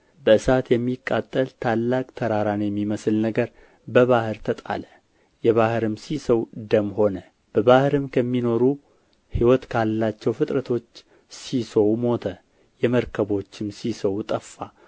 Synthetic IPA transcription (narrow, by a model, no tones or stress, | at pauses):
bəɨsat̪jɛmːikʼːat̪ʼːəlt̪ʰalːakʼt̪ʰəɾaɾanjɛmːiməsɨlnəɡəɾ | bəβahɨɾt̪ʰət̪ʼa̰lə | jɛβahɨɾɨmsisəwd̪əmho̞nə | b̥əβahɾɨmkʰəmːino̞ɾu | hiwɔt̪kʰalːat͡ʃːɛwfɨt̪ʼɾət̪ʰo̞t͡ʃː | sisəwmo̞t̪ʰə | jɛməɾkʰəβo̞t͡ʃːɪmsisəwt̪ʼəfːa